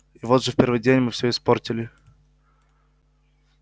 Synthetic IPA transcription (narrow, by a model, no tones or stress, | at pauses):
ivot̪ʐɨfʲpʲerɾvɨjdʲenʲmɨfsʲoɪsportʲɪlʲɪ